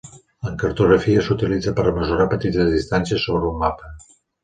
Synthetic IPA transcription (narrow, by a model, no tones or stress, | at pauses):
əŋkəɾt̪uɣɾəfiəsut̪ilid͡zəpəɾəməzuɾapət̪it̪əzðist̪ansiəsːoβɾumːapə